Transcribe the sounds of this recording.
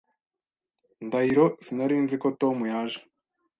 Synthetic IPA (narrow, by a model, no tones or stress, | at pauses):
ndaiɾosinaɾiːnziko̞to̞mujaːʒe̥